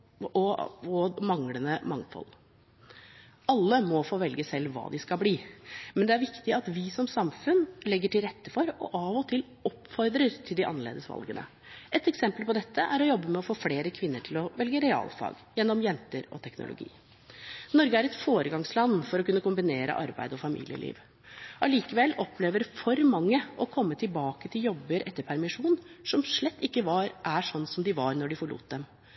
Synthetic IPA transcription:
ɔɔmɑŋlənəmɑŋfɔ̰l | ɑlːəmɔfoːʋɛlɡəsɛlːʋɑ̰ːd̪ɪskɑlbliːmɛnd̪ɛæɾʋɪkt̪ɪɑt̪ʋɪsɔmsɑmfʉnlɛɡːəʈɪlɾɛt̪ːəfɔɾɔ̰ʔɑʋɔt̪ʰɪl | ɔpfɔɾd̪ɾəɾt̪ʰɪld̪ɪʔɑ̰nəɭḛːd̪əsʋɑ̰lɡənə̰ | ɛt̪ɛksɛmpəlpɔd̪ɛt̪ʰːəʔæɾɔjɔbːəmɛɔfoːfleːɾəkʰʋɪnːəʈʰɪlɔʋɛlɡəɾɛɑ̰ːlfɑ̰ːɡjɛnːɔmjɛnt̪əɾɔ̰t̪ʰɛknʊ̰lʊ̰ɡḭː | nɔɾɡəæɾɛt̪foːɾəɡɑŋslɑnːfɔɾɔkʉnːəkʊmbɪneːɾə̰ʔɑɾbæ̰ɪd̪əɔfɑmḭːlɪ̰ə̰lʔḭːʋ | ʔɑliːkəʋɛlːɔpʰːleːʋəɾfɔɾmɑŋːəɔkʰɔmːət̪ʰɪlbɑːkət̪ʰɪljɔbːəɾʔɛt̪ːəɾpʰæɾmɪʂuːnsɔmʂɭɛt̪ːɪkːəʋɑɾʔæʂɔnːsɔmd̪ɪʋɑɾnɔɖɪfɔɭṵːt̪̚d̪ɛm

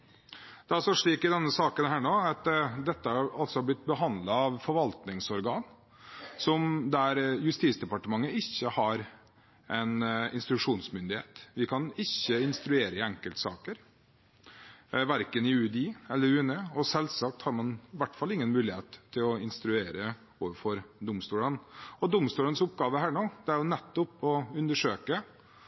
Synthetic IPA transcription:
d̪̥ɛɑsɔʂɭiːkɪd̪ɛnːəsɑːkənhæːɳoːɑt̪d̪ɛt̪ːəhɑɾɑltsɔblɪt̪̚ːbəɦɑnd̪lɑɑʋfɔɾʋɑlt̪nɪŋsɔɾɡɑːn | sɔmd̪æɾjʉst̪iːt̪sd̪ɛpɑʈəmɑŋːəɪçːəhɑɾ | ɛnɪ̰nst̪ɾʉʂuːnsmʏnd̪ɪheːt̪ʋɪkʰɑnɪçːəɪnst̪ɾʉeːɾəɪɛŋkəlt̪sɑ̰ːkəɾ | ʋæɾkənɪʉːd̪iːɛlːəɾʉːnəɔsɛlsɑk̚t̪hɑɾmɑnʋæʈːfɑlɪŋːənmʉːlɪheːt̪ʰːɪlɔɪnst̪ɾʉeːɾə | oːʋəɾfɔɾd̪ʊmst̪uːlənɔd̪ʊmst̪uːlənsʊpɡɑːʋəɦæːɳoːd̪ɛæɾjʊnɛt̪ːɔpɔʉnd̪əʂøːkə

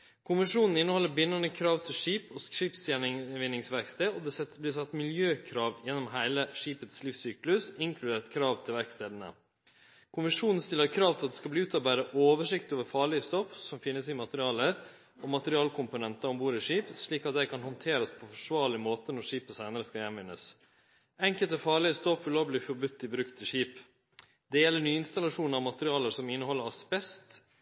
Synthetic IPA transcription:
kʰʊmɪʂuːnn̩ɪnːəhɔlːəɾbɪnːɑnəkʰɾɑːʋt̪ʰɪlʂiːpɔʂiːpsjænɪʋɪnːɪŋsʋæɾkst̪eːɔd̪ɛɛblɪsɑt̪ːmɪljøːkʰɾɑːʋjɛnːɔmɦæɪləʂiːpət̪sliːfsyːklʉsɪŋkʰlʉd̪eːt̪kʰɾɑːʋt̪ʰɪlʋæɾkst̪eːd̪ənə̰ | kʰʊmɪʂuːnn̩st̪ɪlːəɾkʰɾɑːʋt̪ʰɪlɑt̪d̪ɛskɑlbliːʉːt̪ʰɔbæːɾəʔoːʋəʂɪkt̪oːʋəɾfɑːɭɪəst̪ɔfsɔmfɪnːəsɪmɑt̪əɾɪɑːləɾ | ɔmɑt̪əɾɪɑːlkʰʊmpʊnɛnt̪ɑɔmbuːɾəʂiːpʂɭiːkɑt̪̚d̪æɪkʰɑnhɔnt̪ʰeːɾəspʰɔfɔʂʋɑːɭɪmoːt̪ənɔɾʂiːpəsæɪnəɾəskɑjɛnʋɪnːəs | ɛŋkəlt̪əfɑːɾɭɪəst̪ɔfʏloːʋəlɪfɔɾbʉt̪ʰːɪbɾʉkt̪ʰɪʂiːp | d̪ɛjɛlːəɳyːəɪnst̪ɑlɑʂuːnɑʋmɑt̪əɾɪɑːləɾsɔmɪnːəhɔlːəɾɑsbɛst̪

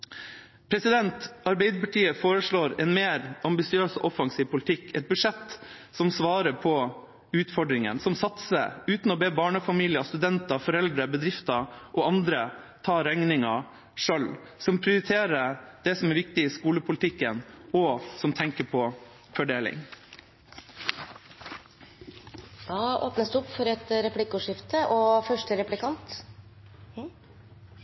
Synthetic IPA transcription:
pʰɾɛsɪd̪ɛnt̪ɑɾbɛɪd̪əpɑʈiːəfoːɾəʂɭoːɾɛnmeːɾɑmbɪsɪøːsʔɔfɑŋsiːʋpʰʊlɪt̪ʰɪkːʰɛt̪̚bʉʂɛt̪ːsɔmsʋɑːɾəpʰɔ | ʉːt̪fɔɖɾɪŋə̰nsɔmsɑt̪sə̰ʉːt̪n̩ɔbeːbɑːɳəfɑmiːlɪɑst̪ʉd̪ɛnt̪ɑfɔɾɛld̪ɾəbəd̪ɾɪft̪ɑʔɔɑnd̪ɾə | t̪ʰɑːɾɛŋnɪŋɑ | ʂœl | sɔmpʰɾɪʊɾɪt̪ʰeːɾəd̪̥ɛsɔmɛɾʋɪk̚t̪ɪɪskuːləpʰʊlɪt̪ʰɪkːənɔsɔmt̪ʰɛŋkəpʰɔ | fɔɖeːlɪ̰ŋ | d̪ɑːo̰ːpnəsd̪ʉɔpːfɔɾɛt̪ɾɛplɪkʊʂɪft̪əʔɔfœʂʈəɾɛplɪkʰɑnt̪

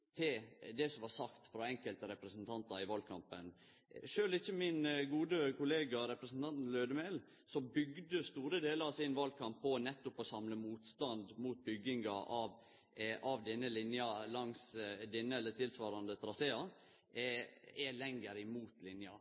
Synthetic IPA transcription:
t̪ʰɪd̪ɛsɔmʋɑɾsɑkt̪fɾɑɛŋkəlt̪əɾɛpɾəsnt̪ʰɑnt̪ɑɾɪʋɑld̪̚kʰɑmpən | ʂøːlɪçːəmɪnɡuːd̪əkʰʊleːɡɑɾɛpɾəsnt̪ʰɑnt̪løːd̪əmel | sɔbʏɡd̪əst̪uːɾəd̪eːləɾɑsɪnʋɑl̚kʰɑmpʰːɔnɛt̪ːʊpɔsɑmləmuːt̪st̪ɑnd̪muːt̪̚bʏɡːɪŋɑʔɑʋ | ɑʋd̪ɛnːəlɪnjɑlɑŋsd̪ɛnːəɛlːət̪ʰɪlsʋɑːɾɑnd̪ət̪ʰɾɑseːɑ | ɛlɛŋːəɾɪmuːt̪lɪnjɑ̰

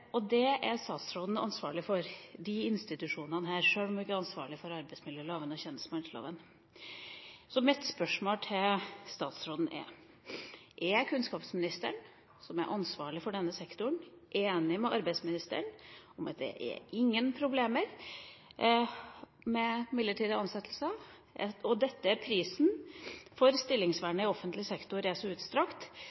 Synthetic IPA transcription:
ɔd̪ɛʔæɾst̪ɑːt̪sɾoːd̪n̩ɑ̰nsʋɑ̰ːɭɪfɔɾd̪iɪnst̪ɪt̪ʉʂuːnənəɦæːɾʂøːɔmɪkːəɑnsʋɑ̰ːɭɪfɔɾɑɾbɛɪsmɪljøːloːʋənɔçɛnːəst̪mɑnlo̰ːʋən | sɔmɪt̪spœʂmoːlt̪ʰɪlst̪ɑːt̪sɾoːd̪n̩ʔɛ̰ | ʔɛkʰʉnskɑːpsmɪnɪst̪əɳ | sɔmæ̰ɾʔɑnsʋɑːɭɪfɔɖɛnːəsɛkt̪ʊɳʔeːnɪmɛʔɑɾbæɪsmɪnɪst̪ə̰ɳɔmɑt̪̚d̪ɛ̰ʔɛ̰ɾɪŋːənpʰɾʊbleːməɾ | mɛmɪlːəʈiːd̪əɑnsɛt̪ːlsə | ɔd̪ɛt̪ːəæpʰɾiːsnfɔɾst̪ɪlːɪŋsʋæːɳəɪɔfːənt̪lɪsɛkt̪ʊɾæsɔʉːt̪st̪ɾɑkt̪

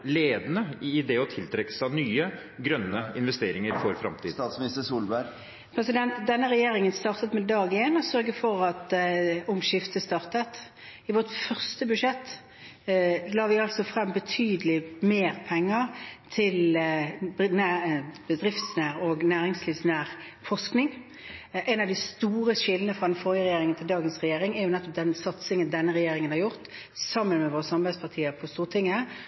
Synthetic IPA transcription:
leːd̪ənəɪd̪ɛɔt̪ʰɪlt̪ʰɾɛkːə̥sɑnyːə | ɡɾœnːəɪnʋɛst̪eːɾɪŋəɾfɔɾfɾɑ̰mt̪ʰiːd̪sɪst̪əsuːlbæ | pʰɾɛsɪd̪ɛnt̪d̪ɛnːəʁɛjeːʁɪŋənst̪ɑːʁt̪ət̪mɛːd̪ɑːɡɪeːnɔsœɾɡəfɔʁɑt̪ʊmʃɪft̪əst̪ɑːʁt̪ət̪ | ɪʋɔt̪fœʁst̪əbʉʂɛt̪ː | lɑːʋɪɑlsɔfʁɑmːbət̪ʰyːd̪əlɪmeːʁpʰɛŋːəʁt̪ʰɪl | næbəd̪ʁɪft̪snæːʁɔːɡnæːʁɪŋsliːʋsnæːʁ | fɔsknɪŋ | ʔæɪnɑʋd̪ɪst̪uːʁəʃɪlːənəfʁɑd̪ɛnfɔɾjəʁɛjeːɾɪŋənt̪ɪld̪ɑːɡənsʁɛjeːʁɪŋɛjʊnɛt̪ːɔp̚d̪ɛnsɑt̪sɪŋənd̪ɛnːəʁɛjeːɾɪŋənhɑɾʁjʊʁt̪ | sɑmːənmɛʋoːʁəsɑmbæɪspʰɑʁt̪ʰiːəpʰɔst̪uːʁt̪ʰɪŋːə

